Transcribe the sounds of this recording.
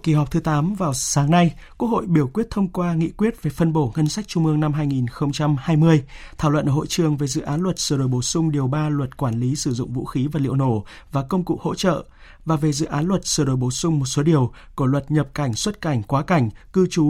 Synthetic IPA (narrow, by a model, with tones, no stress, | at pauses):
ki˨˩ɦɔ˨˩k͡p̚t̪ʰɨ˨˦t̪aː˨˦mvaː˨˩wsaː˨˦ŋna˧jku˦˥ək̚ho̰˧˨jɓi˧˩əwkwi˦˥ət̚t̪ʰə˧wŋ͡mkwaː˧ŋḭ˧˨kwi˦˥ət̚ve˨˩fə˧nɓo˧˩ŋə˧nsa˦˥jk̟̚t͡ɕʊ˧ŋ͡mʔɨ˧əŋna˧mɦaː˧jŋi˨˩nxə˧wŋ͡mt͡ɕa˧mhaː˧jmɨ˧əjt̪ʰa˧˩wlwə̰˧˨nʔəː˧˩ho̰˧˨jt͡ɕɨ˨˩əŋve˨˩zɨ̰˧˨ʔaː˨˦nlwə˨˩t̚sɨː˧˩ɗo˨˩jɓo˧˩sʊ˧ŋ͡mɗi˨˩əwɓaː˧lwə˨˩t̚kwaː˧˩nli˨˦sɨ˧˩zʊ̰˧˨ŋ͡mvṵ˧˥xi˨˦vaː˨˩lḭ˧˨əwno˧˩ | vaː˨˩kə˧wŋ͡mkṵ˧˨ho̰˧˥t͡ɕə̰ː˧˨ | vaː˨˩ve˨˩zɨ̰˧˨ʔaː˨˦nlwə˨˩t̚sɨː˧˩ɗo˨˩jɓo˧˨˩sʊ˧ŋ͡mmo˨˩t̚so˨˦ɗi˨˩əw | ku˧˩lwə˨˩t̚ɲə˨˩p̚ka˧˩jŋ̟swə˦˥t̚ka˧˩jŋ̟kwaː˨˦ka˧˩jŋ̟kɨ˧t͡ɕu˨˦